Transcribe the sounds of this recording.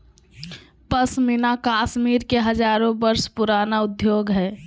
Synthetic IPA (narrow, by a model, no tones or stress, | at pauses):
pəsmɪnakaːʃmiːɾkeɦəd͡ʒaːɾõbəɾspʊɾaːnaʊd̪joːɡɦɛː